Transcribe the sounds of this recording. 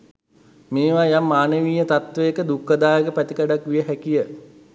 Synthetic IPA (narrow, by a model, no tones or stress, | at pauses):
meːʋajamːaːnəʋiːjət̪at̪ʋeekəd̪ukːəd̪aːjəkəpæt̪ikaɖakʋijəɦækijə